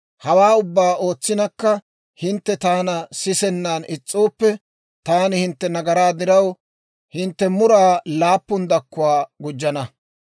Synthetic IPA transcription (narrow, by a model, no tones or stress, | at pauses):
hɐwaːʊbːaːo̞ːt͡sːɪnɐkːɐ | hɪnt̪ːɛt̪aːnɐsɪsɛnːanʔɪt͡sʼːoːpːɛ | t̪aːnɪhɪnt̪ːɛnɐɡɐɾaːd̪ɪɾɐw | hɪnt̪ːɛmʊɾaːlaːpːʊnd̪ɐkːʊwaːɡʊd͡ʒːɐnɐ